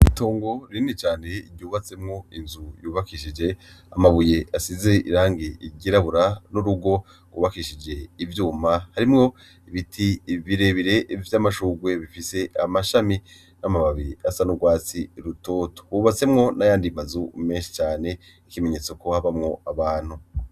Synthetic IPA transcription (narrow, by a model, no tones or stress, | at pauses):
ito̞ːŋɡo̞ɾinet͡ʃaːne̞ɟɟuːβat͡se̞mŋo̞inzujuːβakiʃid͡ʒe̞amaβujeʔasizeʔḭɾaːŋɡiiɟiɾaβuɾanuɾuɡo̞ | ɡwuβakiʃid͡ʒe̞ivjuːmahaɾimŋo̞ | iβitʰiβiɾe̞βiɾe̞vjamaʃuːɡwe̞βifise̞ʔamaʃami | namaβaβiiasanuɡwaːt͡siɾuto̞ːto̥wuːβat͡se̞mŋo̞najaːndimazume̞ːnʃi̥t͡ʃaːne̞ | ikime̞ɲe̞ːt͡so̞ko̞haβamŋo̞aβaːn̥hu